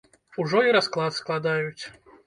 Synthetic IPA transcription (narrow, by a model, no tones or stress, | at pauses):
uʐɔiɾasklˠat̪sklˠad̪ajut͡sʲ